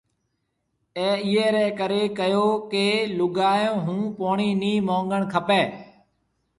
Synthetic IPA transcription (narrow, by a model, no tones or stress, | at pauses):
ɛ̃ːɪɦeːɾɛːkəɾeːkəjoːkeːlʊɡaːjõːɦũːpoːɳiːniːmõːŋɡəɳkʰəpeː